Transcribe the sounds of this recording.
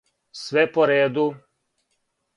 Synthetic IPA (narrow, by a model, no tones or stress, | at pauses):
sʋɛpɔɾeːd̪u